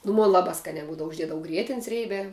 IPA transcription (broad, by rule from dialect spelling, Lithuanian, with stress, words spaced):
nʊ ˈmoːn ˈlˠɑːbɑː ˈskɑːnʲæː ˈbuːdɐʋʊ ʊʒʲˈdʲiɛdɐʋʊ ˈɡrʲiɛtʲɪnʲs ˈrʲeːbʲæː